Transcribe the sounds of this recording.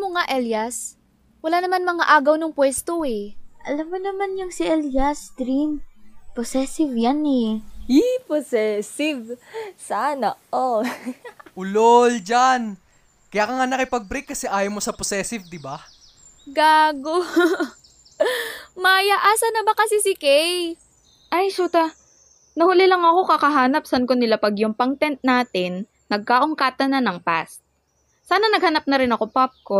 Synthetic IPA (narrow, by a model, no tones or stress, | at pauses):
moŋaʔɛljɐs | wɐlaːnɐmanmɐŋaʔaːɡɐwnʊŋpwɛst̪oɛʔɐlamːonɐmanjʊŋsɪʔɛljɐsd̪ɾimposɛsɪvjanɛjiposɛsɪvsaːnɐʔo | ʔʊlold͡ʒan | kɐjakɐŋanɐkɪpɐɡ̚bɾikːɐsɛʔaːjomosɐposɛːsɪvd̪ɪba | ɡaːɡo | maːjɐʔaːsɐnɐbɐkɐsɛsɪkɛj | ʔajʃuːt̪ɐ | nɐhʊlɪlɐŋɐko̞kɐkɐɦaːnɐp̚sɐnkonɪlapɐɡjʊŋpɐŋt̪ɛnt̪̚naːt̪ɪnː | ɐɡ̚kaːʔʊŋkaːt̪ɐnɐnɐŋpa̰sː | aːnɐnɐɡ̚hɐnap̚nɐɾɪnɐko̞pap̚ko